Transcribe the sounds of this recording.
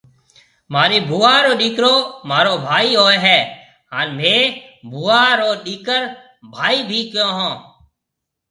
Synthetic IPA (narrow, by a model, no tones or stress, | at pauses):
maːɾeːbʱuːaːɾoːɗiːkɾoːmaːɾoːbʱaːiːɦoːeɦɛː | ɦaːnmẽːbʱuːaːɾoːɗiːkəɾ | bʱaːiːbʱiːkjõːɦõː